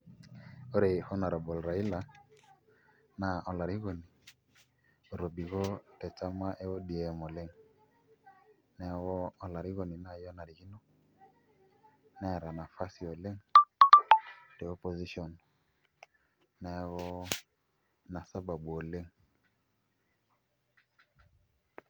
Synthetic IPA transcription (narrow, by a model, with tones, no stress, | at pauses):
o˦ɾe˨hɔ˦na˨ɾɔ˨bɔ˨lɾa˨i˦la˨ | na˨ʔɔ˨la˨ɾi˦ɣo˨ni˨ | o˨ɾo˨bi˨ɣɔ˦tɛ˨t͡ʃa˦ma˦ʔɛ˦wɔ˦di˨ɛ˨mɔ˨le˦ŋ | nɛ˦wɔ˦ɔ˦la˨ɾi˦ɣo˨ni˨na˦jɔ˦na˨ɾi˨ɣi˦nɔ˦ | nɛ˦˨ɾa˨na˨fa˦si˨ɔ˨le˦ŋ̩ | dɛ˨ɔ˦pɔ˨zi˦ʃɔ˨n | nɛ˨˦ɣɔ˦ | na˨sa˦ba˨bu˨ɔ˨le˦ŋ̩